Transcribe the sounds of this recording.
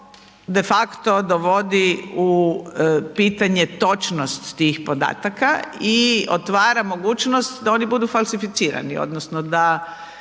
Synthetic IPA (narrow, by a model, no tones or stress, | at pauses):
d̪efakt̪od̪oʋo̞d̪iu | piːt̪aɲe̞t̪o̞t͡ʃnost̪ːiːxpo̞d̪a̰ːt̪akaio̰t̪ʋaːɾamo̞ɡuːt͡ʃnost̪d̪aoːnibud̪ufalsifit̪siːɾa̰nḭo̰d̪nosnod̪a